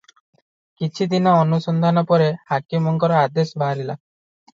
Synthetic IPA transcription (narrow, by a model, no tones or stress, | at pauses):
kit͡ʃʰid̪inɔɔnusɔnd̪ʱanɔpɔɾehakimɔŋkɔɾɔad̪esbaɾila